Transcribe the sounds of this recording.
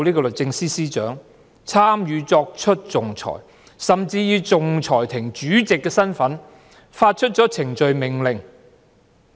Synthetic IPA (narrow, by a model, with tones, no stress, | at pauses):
wlniː˥kɔ˧lɵ˨t̚t͡sɪ˧ŋsiː˥siː˥t͡ʃœː˨˥ŋ | t͡sʰaː˥mjyː˨˧t͡sɔː˧k̚t͡ʃʰɵ˥t̚t͡sʊ˨ŋt͡sʰɔ̰ː˨˩j | sɐ˨mt͡siː˧jiː˨˧t͡sʊ˨ŋt͡sʰɔː˨˩jt̪ʰɪ˨˩ŋt͡ʃyː˨˥t͡sɪ˨kːɛː˧sɐ˥nfɐ˨˥n | faː˧t̚t͡ʃʰɵ˥t̚t͡sɔː˨˥t͡sʰɪ˨˩ŋt͡ʃɵ˨ɥmɪ˨˩ŋlɪ˨˩ŋ